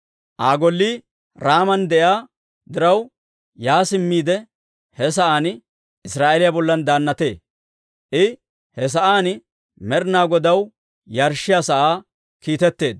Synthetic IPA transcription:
ʔaːɡɔlːiː | ɾaːmɐnd̪ɛʔjaː | d̪ɪɾɐw | jaːsɪmːiːd̪ɛ | hɛs̬ɐʔaːn | ɪsɾaːʔelɪjabɔlːɐnd̪aːnːɐt̪e̞ː | ʔɪ | hɛs̬ɐʔaːn | mɛɾnaːɡɔd̪ɐw | jɐɾʃːɪjaːsɐʔaː | kiːt̪ɛt̪ːe̞ːd̪̚

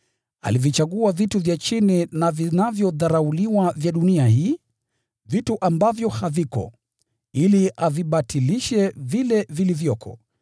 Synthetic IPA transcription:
a̰livjit͡ʃaɠuavituvjat͡ʃininavinavjɔðaɾauliwavjaɗuniahiː | vituʔambavjɔhavikɔ̰ | iliaviɓatʰiliʃɛvilɛvilivjɔkʰɔ̰

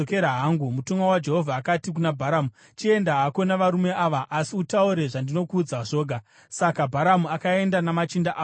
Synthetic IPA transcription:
okeɾaɦaːŋɡumutuŋwawad͡ʒe̞ɦo̞vʱaːkatik̬unabʱaɾamu | t͡ʃie̞ndaɦako̞naʋaɾume̞aʋaʔasiutauɾe̞ʐandino̞kuːd͡zaʐo̞ːɡʱa | sakabʱaɾamuakae̞ndanamat͡ʃindaʔaː

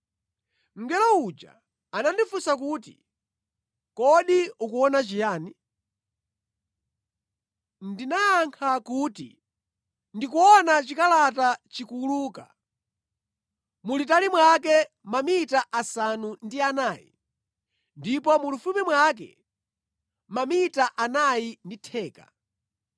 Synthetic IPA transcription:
ŋ̩ɡɛlɔut͡ʃa̰ | anandifusakuːtḭ | kɔɗiukuɔnat͡ʃijaːni | ndinaaŋkʰakuːtḭ | ndikuɔnat͡ʃikalatat͡ʃikuluːka̰ | mulit̬alimwak̬ɛ | mamitaʔasanundianaːjḭ | ndipɔmulufumɛmwakɛ̰ | mamitaʔanainditʰɛːka̰

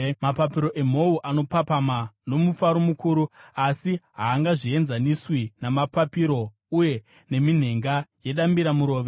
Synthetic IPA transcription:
mapapiɾo̞ʔe̞m̤o̞uʔano̞papamano̞mufaɾomukuːɾuasiɦaːŋɡaʐie̞nzaniswinamapapiɾo̞ | uje̞ | ne̞min̤e̞ŋɡaje̞ɗambiɾamuɾo̞ːʋe̞

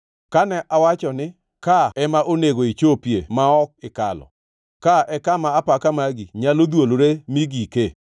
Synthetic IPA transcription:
kanɛʔawat͡ʃɔnɪ | kaɛmaʔoneɡoit͡ʃopjemaɔk̚ɪka̰lɔ̰ | kaʔɛkamaːpakamaɡiɲalod̪woloɾemiɡike

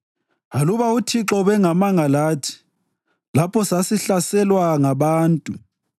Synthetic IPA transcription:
aluβautʰiǁɔβɛŋamaŋalaːtʰi̥ | lapʰɔsasiɬasɛlwaŋaβaːntʼu

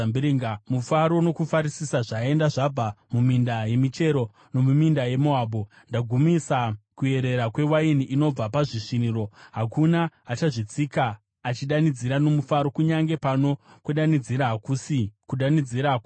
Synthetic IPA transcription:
mbiɾiŋɡamufaɾo̞no̞kufaɾisisaʐae̞ndaʐab͡vamumindaje̞mit͡ʃe̞ɾo̞ | no̞mumindaje̞moaːbo | ndaɡʱumisakue̞ɾe̞ɾakwe̞wainiʔino̞b͡vapaʐiʂiniɾo̞ɦakunaːt͡ʃaʐit͡sikaː | t͡ʃiɗanid͡ziɾano̞mufaɾo̞kuɲaŋɡe̞pano̞kweɗanid͡ziɾakusikuɗanid͡ziɾaku

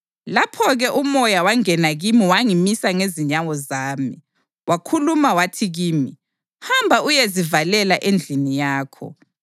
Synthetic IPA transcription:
lapʰɔɣɛʔumɔjawaŋɛnaɣimiwaŋimisaŋeziɲawɔzaːmi | wʔakʰulumawatʰiɣiːmi | hambʱaujezivalɛlaʔend͡ɮʱinijaːkʰɔ̰

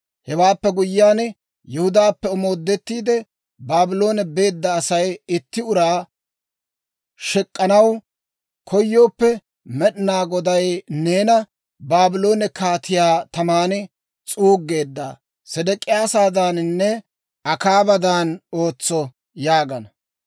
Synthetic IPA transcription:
hɛwaːpːɛɡʊjːaːn | jɛhʊd̪aːpːɛɔmo̞ːd̪ːɛt̪ːiːd̪ɛ | baːbɪlo̞ːnɛbe̞ːd̪ːɐːsɐjɪt̪ːɪʊɾaː | ʃɛkʼːɐnɐw | kʰɔjːo̞ːpːɛ | mɛɗɪnaːɡɔd̪ɐjneːnɐ | baːbɪlo̞ːnɛkaːt̪ʰɪjaːt̪ɐmaːnɪ | t͡sʼuːɡːe̞ːd̪ːa̰ː | sɛd̪ɛkʼːɪjaːsaːd̪aːnnːɛ | ɐkaːbɐd̪aːnoːt͡sːɔ | jaːɡɐnɐ

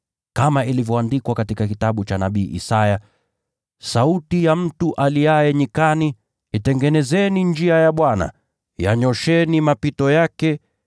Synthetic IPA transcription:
kamailivjɔandikwakatikakitaɓut͡ʃanaɓiːʔḭsaja | sautijam̩tuʔaliaɛɲikani | itɛŋɡɛnɛzɛniɲd͡ʒiajaɓwana̰ | ja̰ɲɔʃɛnimapitɔjakɛ

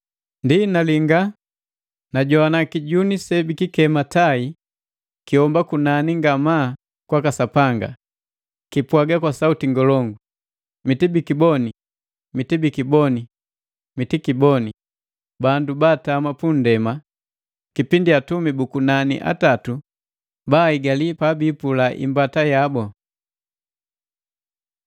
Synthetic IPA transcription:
ndinaliŋɡa | naɟɔanakiɟunisɛbikikɛmatai | kiɔmbakunaniŋɡama | kwakasapaŋɡa̰ | kipwaɡakwasautiŋɡɔlɔŋɡu | mitibikibɔni | mitibikibɔni | mitikibɔni | bandubaːtamapun̩dɛma | kipindiatumibukunanḭʔa̰tatu | baːiɡalipabiːpulaʔḭmbatajabɔ

